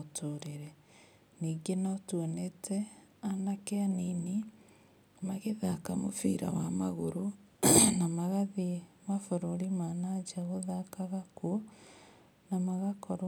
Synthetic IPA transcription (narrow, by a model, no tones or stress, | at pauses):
tʰoɾeɾɛ | niːɡenɔtuonetʰɛanakeanini | maɣeðakamo̰fḭːɾa̰wamaɣoɾu | namaɣaðimafoɾoɾimanad͡ʒaɣoðakaɣakuo | namaɣakɔɾ